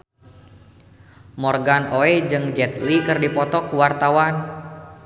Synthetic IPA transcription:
mɔrɡanoɛd͡ʒɨŋd͡ʒɛt̪likɨrdipɔt̪ɔkːuwart̪awan

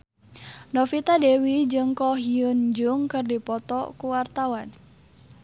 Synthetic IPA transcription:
nɔfit̪adɛwid͡ʒɨŋkɔɦiənd͡ʒuŋkɨrdipɔt̪ɔkuwart̪awan

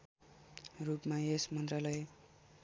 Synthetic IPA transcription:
rupmaesmʌnt̪ralʌje

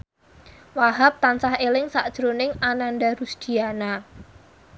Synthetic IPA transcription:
waɦap̚t̪ansahelɪŋsaʔd̥ʒ̥ɾonɪŋanandaɾusd̪̥i̤ana

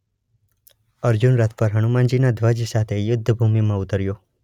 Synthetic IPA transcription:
əɾd͡ʒunɾat̪ʰpəɾɦəɽ̃umãnd͡ʒinad̪ʱʋəd͡ʒsat̪ʰejʊd̪ʱːəbʱumimãʊt̪əɾjo

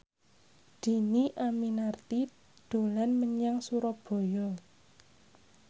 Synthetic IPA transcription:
d̪̥i̤niʔaminart̪i | d̪̥o̤lanməɲaŋsuɾɔb̥ɔ̤jɔ

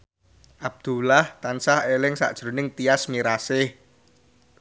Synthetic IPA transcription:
ʔab̚d̪̥ṳlaht̪ansahelɪŋsa̰ʔd̥ʒ̥ɾo̤nɪŋt̪iasmiɾasɪh

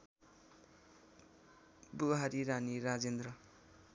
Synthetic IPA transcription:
buɦaɾiɾaniɾad͡zend̪ɾʌ

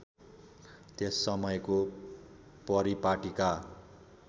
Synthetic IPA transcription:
t̪esːʌmʌjko | pʌɾipaʈika

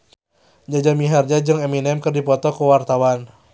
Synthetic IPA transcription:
d͡ʒad͡ʒamiɦard͡ʒad͡ʒɨŋɛminɛmkɨrdipɔt̪ɔkəwart̪awan

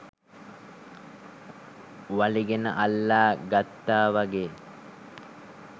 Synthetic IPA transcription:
ʋɐliɡenə̰ʔɐlːaːɡat̪ːaːʋɐɡeː

